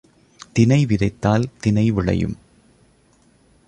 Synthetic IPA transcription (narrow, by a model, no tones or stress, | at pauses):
t̪ɪnɐɪʋɪðɐɪt̪ːaːlt̪ɪnɐɪʋɪɭɐ̰jɯ̰m